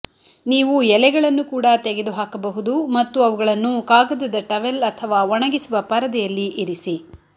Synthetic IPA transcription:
niːʋujɛlɛɡɐɭɐnːukuːɽɐt̪ɛɡed̪uɦaːkɐbɐɦud̪umɐt̪ːuɐʋuɡɐɭɐnːukaːɡɐd̪ɐd̪ɐʈɐʋelɐt̪ʰɐʋaːʋɔɳɐɡisuʋɐpɐɾɐd̪ɛjɐlːiʔiɾisi

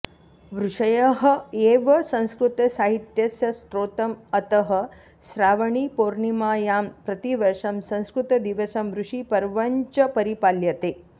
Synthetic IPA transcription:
ʋɾuʂɐjɐɦɐeʋɐsɐ̃w̃skɾut̪ɐsaːɦit̪jɐsjɐst̪ɾoːt̪ɐmɐt̪ɐɦə̆ | sɾaːʋɐɳipoːɾɳimaːjaːmpɾɐt̪iʋɐɾʂɐmsɐ̃w̃skɾut̪ɐd̪iʋɐsɐmʋɾuʂipɐɾʋɐɲt͡ʃɐpɐɾipaljɐt̪eː

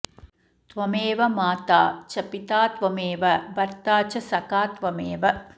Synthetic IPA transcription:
t̪ʋɐmeːʋɐmaːt̪aːt͡ʃɐpit̪aːt̪ʋɐmeːʋɐbɐɾt̪aːt͡ʃɐsɐkaːt̪ʋɐmeːʋɐ

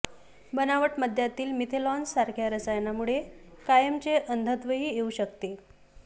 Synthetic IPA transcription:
bənaʋəʈməd̪ʱjat̪iːlmit̪ʰelɔnsaɾkʰjaɾəsajnamuɭekajəmt͡ɕeʔənd̪ʱət̪ʋəɦiːjeuɕəkt̪e

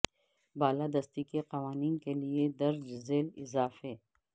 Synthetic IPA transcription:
baːlad̪ɐst̪ikeqɐʋaːniːnkelied̪ɐɾd͡ʒzeːlɪzaːfeː

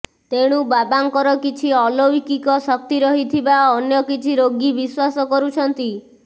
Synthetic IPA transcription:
t̪eɽ̃ubabaŋkɔɾɔkit͡ʃʰiɔlɔikikɔsɔk̚t̪iɾɔɦit̪ʰibaɔnjɔkit͡ʃʰiɾoɡibiswasɔkɔɾut͡ʃʰɔnt̪i

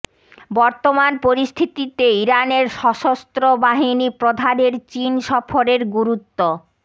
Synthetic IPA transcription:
bɔɾt̪omanpoɾist̪ʰit̪it̪eiɾaneɾʃɔʃost̪ɾobaɦinipɾod̪ʱaneɾt͡ɕinʃɔfoɾeɾɡuɾut̪ːo

